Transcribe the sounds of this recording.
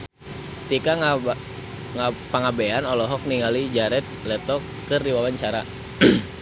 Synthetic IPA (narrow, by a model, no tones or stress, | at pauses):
t̪ikaŋ | ŋapaŋabɛanɔlɔɦɔk̚niŋalid͡ʒaɾɛt̪̚lɛt̪ɔkːərdiwawaɲt͡ʃaɾa